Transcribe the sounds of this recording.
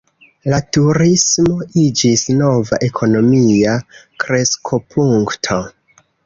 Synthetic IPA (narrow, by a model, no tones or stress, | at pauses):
latuɾismo̞ʔid͡ʒisno̞vaʔe̞kʰo̞no̞miakɾe̞skʰo̞pʰuŋktʰo̞